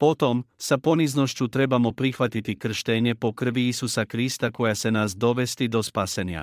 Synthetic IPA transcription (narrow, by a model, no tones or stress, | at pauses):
po̞t̪o̞msapo̞nizno̞ʃt͡ɕut̪ɾe̞bamo̞pɾixʋat̪it̪ikr̩ʃt̪eɲe̞po̞kr̩ʋiisusakɾist̪ako̞jase̞nasd̪o̞ʋe̞st̪id̪o̞spaseɲa̰